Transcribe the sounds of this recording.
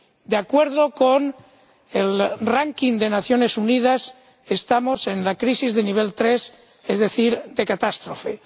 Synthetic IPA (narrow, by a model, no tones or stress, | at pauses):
d̪eakwe̞ɾð̞okon | elraŋkind̪e̞naθjo̞ne̞sunið̞as | est̪amo̞se̞nlakɾisizðeniβ̞e̞lt̪ɾes | ezðe̞θiɾd̪e̞kat̪ast̪ɾofe̞